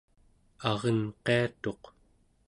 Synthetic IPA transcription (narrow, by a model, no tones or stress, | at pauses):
ɑʁʌnqe̞at̪o̞q